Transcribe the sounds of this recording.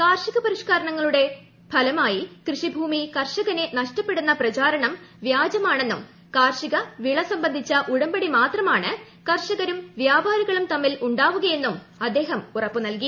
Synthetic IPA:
kaːrʂiɣɐpɐɾiʂkaːɾɐɳɐŋːɐɭuɽe̞ | bʱɐlɐmaːjikrɨʂibʱuːmikɐrʂɐɣɐne̞nɐʂtɐpːe̞ɽunːɐprɐt͡ɕaːɾɐɳɐmʋjaːd͡ʑɐmaːɳe̞nːum | kaːrʂiɣɐʋiɭɐsɐmbɐnd̪ʱit͡ɕːɐʔuɽɐmbɐɽimaːt̪rɐmaːɳɨ | kɐrʂɐɣɐɾumʋjaːbʱaːɾiɣɐɭumt̪ɐmːiluɳɖaːʋuɣɐje̞nːum | ɐd̪ːe̞ːɦɐmurɐpːɨnɐlki

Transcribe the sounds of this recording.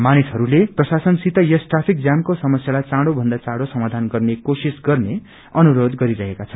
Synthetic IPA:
manisɦʌɾuleprʌsasʌnsit̪ʌjʌsʈrapʰik̚d͡zjamkosʌmʌsjalat͡saɽobʱʌnd̪at͡sãɽosʌmad̪ʱanɡʌrnekosisɡʌrne | ʌnuɾod̪ɡʌɾiɾʌɦekat͡sʰʌn

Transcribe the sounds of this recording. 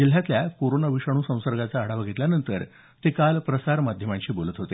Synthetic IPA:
d͡ʑil̤jat̪ljakoɾonaʋiʂaɽ̃uːsə̃w̃səɾɡat͡saːɽ̤aʋaɡʱet̪ljanənt̪əɾ | t̪ekalpɾəsaɾmad̪ʱjəmãɲt͡ɕiːbolət̪ɦot̪e

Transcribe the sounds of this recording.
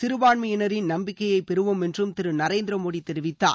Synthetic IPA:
t̪ɪɾɯʋaːɳmɐjɪnɐɾɪnnɐmbɪkːɐjɐɪpɛɾɯʋɯmɛndrɯmt̪ɪɾɯnɐɾeːnd̪ɾɐmoːɽit̪ːɛɾɯʋɪt̪ːa̰ː

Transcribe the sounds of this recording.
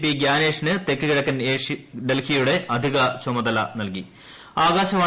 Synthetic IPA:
piɡjaːneːʂnɨt̪e̞kːiɣiɽɐkːɐneɖelhijuɽe̞ʔɐd̪ʱiɣɐt͡ɕomɐd̪ɐlɐ̰nɐlki | aːɣaːɕɐʋaː

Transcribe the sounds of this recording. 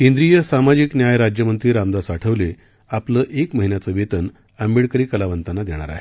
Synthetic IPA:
kẽnd̪ɾijəsamad͡ʑiknjajɾad͡ʑjəmənt̪ɾiːɾamd̪asaʈʰəʋle | apləːʔekməɦinjat͡səːʋet̪ən | əmbiɭkəɾiːkəlaʋənt̪anːad̪eɽ̃a̰ɾa̰ɦe

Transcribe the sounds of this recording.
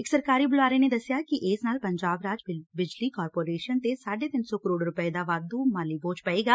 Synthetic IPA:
ɪksɐɾkaːɾibʊlaːɾened̪ɐsjakiʔeːsnaːlpɐ̃ɲd͡ʒaːbɾaːd͡ʒbɪd͡ʒlikɔːɾpoːɾeːʃənt̪esaːɖet̪ɪnsɔkəɾoːɽɾʊpəed̪aʋaːd̪umaːliboːt͡ʃpɐeːɡaː

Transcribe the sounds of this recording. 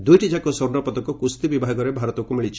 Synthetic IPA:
d̪ujʈid͡ʒakɔsoɾnɔpɔt̪ɔkɔkust̪ibibʱaɡɔɾebʱaɾɔt̪ɔkumiɭit͡ʃʰi̥

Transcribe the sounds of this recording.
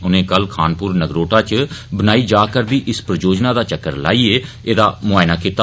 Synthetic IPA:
ʊnẽːkəlkʰaːnpʊːɾnəɡɾoːʈaːt͡ʃbənaːiːd͡ʒaːkəɾd̪iːʔɪspəɾəd͡ʒoːd͡ʒnãːd̪aːt͡ʃəkːəɾla̰ːiːeː | eːd̪aːmʊaːɪnaːkiːt̪a

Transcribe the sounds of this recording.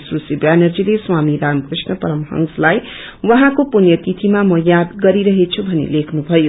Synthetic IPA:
srusibjanʌrd͡zileswamiɾamkrisnʌpʌɾʌmɦʌ̰ŋslaj | wʌɦãkopunjʌt̪it̪ʰimamʌjad̪ɡʌɾiɾʌɦet͡sʰubʱʌnḛlekʰnubʱʌjo

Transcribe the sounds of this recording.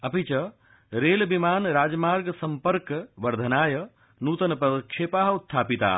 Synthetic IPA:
ɐpit͡ʃɐ | ɾeːlbimaːnɾaːd͡ʒmaːɾɡsɐmpəɾkʋɐɾd̪ʱɐnaːjɐ | nuːt̪ɐnpɾɐd̪ɐkʃeːpaːɦut̪ʰːaːpit̪a̰ː

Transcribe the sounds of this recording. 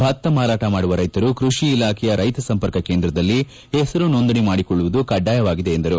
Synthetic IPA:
bʱaːɾt̪ɐmaːɾaːʈɐmaːɽuʋɐɾɐjt̪ɐɾukɾuʂiːlaːkʰɛjɐɾʔɐjt̪ɐsɐmpɐɾkɐkeːnd̪ɾɐd̪ɐlːi | ɦesɐɾunond̪ɐɳimaːɽikɔɭːuʋud̪ukɐɖːaːjɐʋaːɡid̪e̞ːnd̪ɐɾu

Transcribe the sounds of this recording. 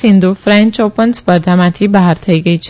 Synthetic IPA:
ĩnd̪ufɾẽɲt͡ʃopənspəɾd̪ʱamãt̪ʰibəɦaɾt̪ʰəiɡəit͡ʃʰ

